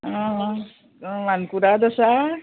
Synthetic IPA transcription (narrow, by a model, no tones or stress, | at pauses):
ãɦ | ʋankuɾad̪əsa